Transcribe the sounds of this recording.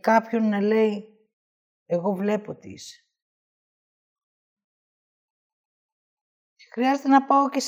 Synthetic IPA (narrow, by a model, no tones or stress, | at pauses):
kɐpço̞nːɐle̞i | eɣo̞vle̞po̞t̪ḭs | xɾiɐze̞t̪enɐpɐo̞ces